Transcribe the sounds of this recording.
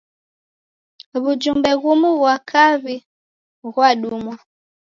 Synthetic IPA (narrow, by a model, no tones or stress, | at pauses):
βud͡ʒumbɛɣumuβwakʰaβi | ɣwaɗumwa